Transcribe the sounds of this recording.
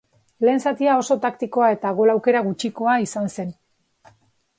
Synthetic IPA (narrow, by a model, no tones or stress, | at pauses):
le̞ːnsat̪iao̞so̞t̪akt̪iko̞ae̞t̪aɣ̞olawke̞ɾaɣut͡ʃiko̞aisanse̞n